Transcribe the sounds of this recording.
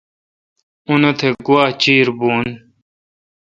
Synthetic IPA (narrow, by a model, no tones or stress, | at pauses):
unɐt̪ʰeɡuwaːt͡ɕiːɾbuːn